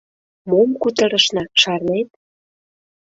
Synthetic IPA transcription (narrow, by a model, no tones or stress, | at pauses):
momkut̪əɾə̆ʃnɑʃɑrnet̪̚